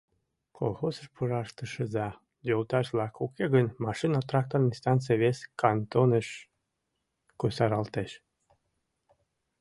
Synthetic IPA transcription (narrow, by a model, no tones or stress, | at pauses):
kʰolˠxosəʃpʰuɾɑʃt̪əʃəzɑ | jolt̪ɑʃlˠɑkukʰeɣənmɑʃinɑt̪rɑk̚t̪orninst̪ɑnt̪t͡s̬eβeskʰɑnt̪onəʃ | kosɑɾɑlt̪eʃ